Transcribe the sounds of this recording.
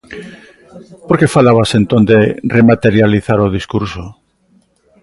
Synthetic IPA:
poɾke̞falaβasent̪ond̪eremat̪e̞ɾjaliθaɾoð̞iskuɾso

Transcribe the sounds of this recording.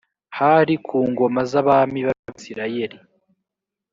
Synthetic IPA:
haɾikʰuːŋɡo̞mazaβamiβaaβisiɾaje̞ɾi

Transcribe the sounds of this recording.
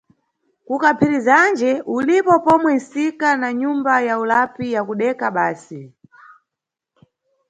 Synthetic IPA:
kukapʰiɾizand͡ʒɛʔulipɔpɔmwɛn̩sikanaɲumbajaulapijakuɗɛkaɓaːsi

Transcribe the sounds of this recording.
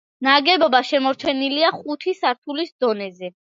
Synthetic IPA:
naɡɛbɔbaʃɛmɔɾt͡ʃʰɛniliaχut̪ʰisaɾt̪ʰulisd̪ɔnɛzɛ

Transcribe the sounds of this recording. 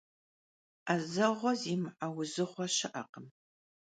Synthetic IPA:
azɐʁʷɔziːmħawʊzɨχʷɔɕɪʔɐqəm

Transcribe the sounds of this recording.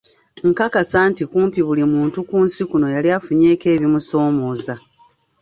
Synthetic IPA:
ŋkakasaːntikuːmpiβulimuːntukuːnsikuno̞jaliafuɲe̞ːke̞ːβimuso̞ːmo̞ːza

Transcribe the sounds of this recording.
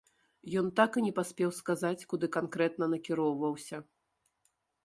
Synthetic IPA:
jɔnt̪akɨnʲɛpasʲpʲɛwskazat͡sʲkud̪ɨkankɾɛt̪nɐnɐkʲiɾɔwvɐwsʲɐ

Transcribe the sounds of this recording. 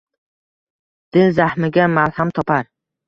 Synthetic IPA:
d̪̥ɪnzahmɪɡʲamalhamt̪ʰɒpaɾ

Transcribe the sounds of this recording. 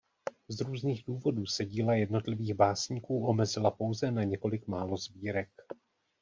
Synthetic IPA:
zɾuːzniːɣduːvo̞duːsɛɟiːlajɛdno̞t̪lɪviːɣbaːsɲiːkuːʔo̞mɛzɪlapo̞wzɛnaɲɛko̞lɪkmaːlo̞zbiːɾɛk

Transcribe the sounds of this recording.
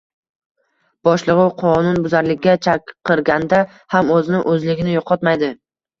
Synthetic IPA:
b̥ɒʃlˠɨʁʊwqʰɒnʊnbʊzaɾlɪkʲːat͡ʃʰakqʰːɨɾɡʲand̪a | hamɵzɪnɪʔɵzlɪɡʲɪnɪjoqʰɒt̪majd̪ɪ

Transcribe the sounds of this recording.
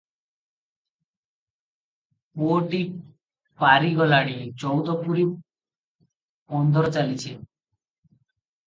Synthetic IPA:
pooʈi | paɾiɡɔlaɽ̃it͡ʃɔwd̪ɔpuɾi | ɔnd̪ʱɔɾɔt͡ʃalit͡ʃʰe

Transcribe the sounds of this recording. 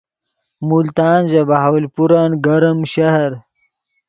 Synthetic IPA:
mult̪aːnzabaɦawlpuɾaːnɡɐɾɐmɕɐhɐɾ

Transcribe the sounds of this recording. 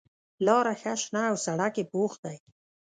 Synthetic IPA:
lɑːɾaxaʃnaawsaɽakepoxd̪aj

